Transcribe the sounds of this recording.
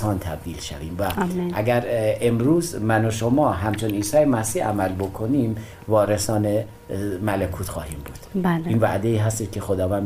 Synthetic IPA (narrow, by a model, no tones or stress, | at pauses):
ɒːnt̪ʰæb̚d̪iːlʃæ̰viːmvæʔæɡæɾe̞mɾuːzmænoʃomɒːɦæmt͡ʃʰoniːnsæːɾemæsiːæ̰mælbo̞kʰo̞nim | vɒːɾesɒːne | mælekʰuːt̪xɒ̰ːhiːmbuːd̪̥bæliːnvæ̰ʔd̪eiːɦæst̪eːʃ̚kʲʰe̞xod̪ɒːvæn